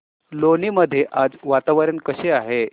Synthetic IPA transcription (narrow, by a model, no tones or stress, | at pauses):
loniːməd̪ʱːjeʔad͡zʋat̪aʋəɾənkəɕeaɦe